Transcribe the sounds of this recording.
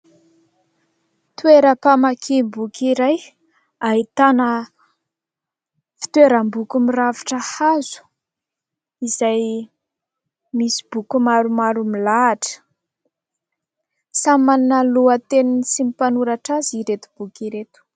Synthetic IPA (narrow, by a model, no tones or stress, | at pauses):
t̪weɾəpamakʰimbukiɾaj | aɦit̪anə | fi̥t̪weɾəmbukumiravi̥ʈ͡ʂəhazu̥ | izaj | misi̥bukumaɾumaɾumilaːʈ͡ʂə̥ | samanəluət̪eninisimipanuɾaʈ͡ʂaziɾet̪ub̥ukiɾet̪u̥